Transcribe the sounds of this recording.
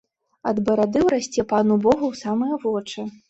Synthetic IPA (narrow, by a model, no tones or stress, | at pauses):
ɐd̪bɐɾad̪ɨwɾasʲt͡sʲɛpanubɔɣuwsamɨjɐvɔt͡ʂɨ